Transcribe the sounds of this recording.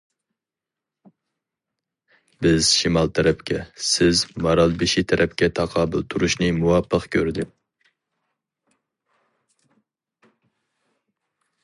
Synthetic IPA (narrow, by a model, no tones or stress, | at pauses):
bɪz̥ʃimɑlˠt̪ʰɛɾɛpkʲʰɛsɪzmɑɾɑlˠbɪʃit̪ʰɛɾʔɛpkʲɛt̪ʰɑqʰɑːbɨlt̪ʰuɾuʃnɨmuwɑpʰːəqkʲʰøɾd̪ɪ